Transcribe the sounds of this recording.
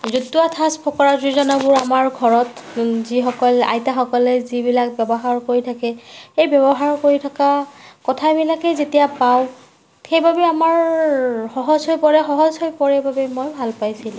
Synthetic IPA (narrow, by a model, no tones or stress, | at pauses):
zutːuatʰaspʰɔkɔɹaɹzuzɔnɔbʊɹamaɹɡʱɔɹɔtzixɔkɔla̰jtaxɔkɔlɛzibilak̚bjɛbɔɦaɹkoɹitʰakɛejbɔbɔɦaɹkoɹitʰakakɔtʰabilakɛzetijapaw | xejbʱabɛamaɹ | xɔɦɔzɦojpɔɹɛxɔɦɔzɦojpɔɹɛbʱabɛmojbʱalpajsilʊ̃